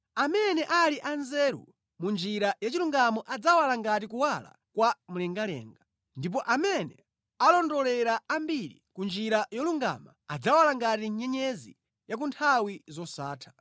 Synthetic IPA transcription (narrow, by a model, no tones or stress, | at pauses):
amɛnɛʔaliʔanzɛɾṵ | mund͡ʒiɾajat͡ʃiluŋɡamɔʔad͡zawalaŋɡatikuwala̰ | kwamulɛŋɡalɛ̰ːŋɡa | ndip̬ɔʔamɛnɛ | alɔndɔlɛɾaambiɾḭkund͡ʒiɾajɔluŋɡa̰maad͡zawalaŋɡatiɲɛɲɛzḭ | jak̬untʰawizɔsaːtʰḁ